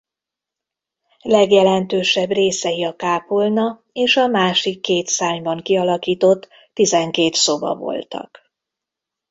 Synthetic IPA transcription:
lɛɡjɛlɛnt̪øːʃɛbreːsɛjiɒkaːpolnɒ | eːʃɒmaːʃikːeːt̪saːɲbɒŋkiɒlɒkiːt̪o̞t̪ː | izɛŋkeːt̪so̞bɒ̰vo̞̰lt̪ɒ̰k

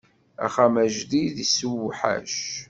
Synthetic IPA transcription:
æ̰χamæʒðiðisuwħæ̰ʃ

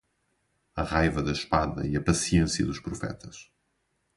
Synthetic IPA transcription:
ɐʁajvɐðɐʃpaðɐ̰iɐpɐsiẽsiɐ̰ðuʃpɾufɛ̰t̪ʰɐʃ

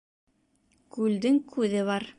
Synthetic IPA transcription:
kʉld̪ɘŋkʉðɘβɑɾ

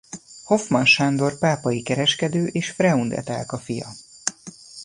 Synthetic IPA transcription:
ho̞fmɒnʃaːnd̪o̞rpaːpɒjikɛɾɛʃkɛd̪øːʔeːʃfrɛund̪ɛ̰t̪a̰ːlkɒfijɒ̰

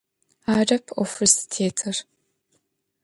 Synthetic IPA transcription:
aːrɐpʰofɐrsi̥tʰeːtʰɨr

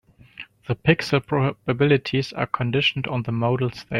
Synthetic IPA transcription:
ðəpʰɪksəl̩ˠpʰɹ̥ɔbəbɪlɪtʰizə̰˞kʰə̃ndɪʃn̩d̃n̩ðəmoʊɾl̩ˠste

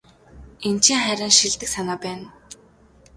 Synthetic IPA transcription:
ent͡ɕʰiŋχæɾʲăːnʃiɮt̪ɘ̆ksanaːpæːn

